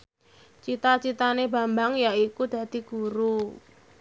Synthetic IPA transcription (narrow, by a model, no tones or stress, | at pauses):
t͡ʃit̪at͡ʃit̪aneba̤mbaŋjaikud̪̥ä̤d̪̥i̤ɡ̥uɾu